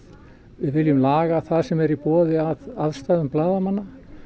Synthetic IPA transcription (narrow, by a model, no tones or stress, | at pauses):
vɪðvɪljʏmlaːɣaθaðsɛmɛɾipɔːðɪaðaðst̪aːðʏmplaːðamanːa